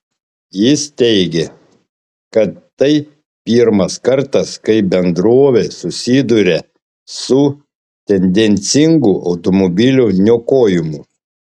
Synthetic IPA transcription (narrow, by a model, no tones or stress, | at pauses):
jɪst̪ʲɛɪɡʲe | kɐt̪ːɐɪ | pʲiɾmɐskɐɾt̪ɐskɐɪbʲɛnd̪ɾoːʋʲesʊsʲiːd̪ʊɾʲe | sʊ | t̪ʲɛnʲd̪ʲɛnʲt̪sʲɪŋɡʊʔɐʊt̪ɔmɔbʲɪlʲunʲoːkoːjɪmʊ